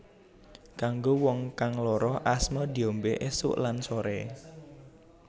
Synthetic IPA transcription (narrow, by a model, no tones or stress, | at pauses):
kaŋɡowɔŋkaŋlɔɾɔhʔasmɔd̪i̤ombeʔesʊ̰ʔlansoɾɛ̰